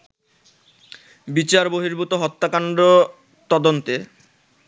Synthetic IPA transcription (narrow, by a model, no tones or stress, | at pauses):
bit͡ɕaɾboɦiɾbut̪oɦɔt̪ːakaɳɖo | t̪ɔd̪ont̪e